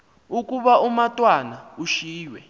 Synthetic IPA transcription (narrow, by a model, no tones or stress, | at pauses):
ukʼuɓaumatʼwanauʃiːjwɛ̰